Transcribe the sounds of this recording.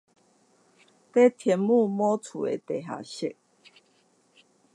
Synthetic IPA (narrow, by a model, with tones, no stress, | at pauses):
t̪e˦t̪ʰjɛ˨˦mmu˥˧mɔ˦t͡sʰṵ˨˩ḛ˨˩t̪e˨ɦa̰˨ɕi˥˨ʔ̚